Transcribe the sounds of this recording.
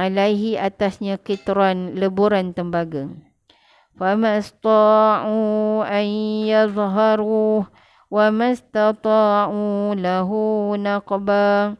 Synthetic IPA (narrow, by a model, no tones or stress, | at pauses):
alajɦiʔat̪asɲãkit̪ɾanləbuɾant̪əmbaɡaŋ | famãst̪ˤɑʕuanjɑðˤɦɑɾuːh | wamast̪ɑt̪ˤɑːʕulaɦunɑqba